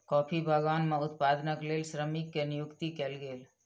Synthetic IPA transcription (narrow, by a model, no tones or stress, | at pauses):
kɔːpʰibʱəɡaːnmẽʊt̪paːd̪nəkleːlʃɾəmikːenijʊkt̪ikelɡeːl